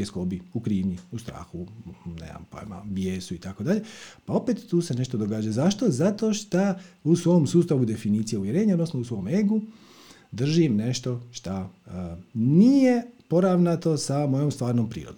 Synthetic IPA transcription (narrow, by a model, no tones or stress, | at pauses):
eskobiukɾiːʋɲiust̪ɾa̰ːxunḛa̰mpo̰jama̰bjeːsuit̪ako̞d̪aʎe̞pao̞pet̪ːuːse̞ne̞ʃt̪od̪o̞ɡaːd͡ʒazaʃt̪o̞zat̪o̞ʃt̪ausʋo̞msuːst̪aʋud̪e̞finiːt̪sijeuʋje̞ɾeːɲaod̪nosnousʋo̞meɡu | d̪r̩ʒimne̞ʃt̪o̞ʃt̪a | nije̞po̞ɾaʋnat̪o̞samo̞jomst̪ʋaːɾnompɾḭːɾod̪o